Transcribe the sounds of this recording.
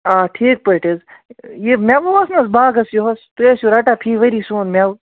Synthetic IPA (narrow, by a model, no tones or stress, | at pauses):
aːʈʰiːk̚pɐʈizjemʲaʋoɦɐsnɐsbaːɡɐsjoɦɐst̪ujesjuɾaʈapʰiːʋɐɾiːsuːnmʲaw